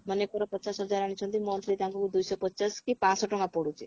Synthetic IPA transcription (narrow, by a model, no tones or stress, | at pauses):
mənekɔɾɔpət͡ʃasɦɔd͡ʒaɾaɽ̃it͡ʃʰɔnt̪imɔnt̪ɾid̪aŋkɔkud̪ujsɔpət͡ʃaskipãsɔʈɔŋɡapɔɽut͡ʃʰi